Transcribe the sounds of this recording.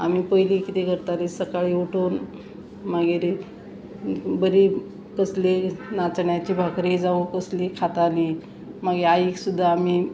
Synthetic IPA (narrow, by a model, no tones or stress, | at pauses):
a̰miːpəjlikit̪ekəɾt̪aliːsəkaɭiːuʈʰoːn | maɡeɾi | bəɾiː | kəslenat͡sɳjat͡ɕiːbʱakɾiːd͡zaʋukəslikʰat̪aliː | maɡeaiksud̪ʱːaːmi